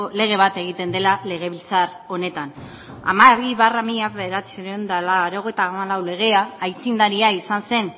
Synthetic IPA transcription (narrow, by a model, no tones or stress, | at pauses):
le̞ɣ̞e̞β̞at̪e̞ɣ̞it̪e̞nd̪elale̞ɣ̞e̞βilt͡sar | o̞ne̞t̪an | a̰maβiβaramiʎaβeðeɾat͡siɾend̪alaɾo̞ɣ̞e̞jt̪aːmalawle̞ɣ̞e̞aːjt͡sind̪aɾiaisanse̞n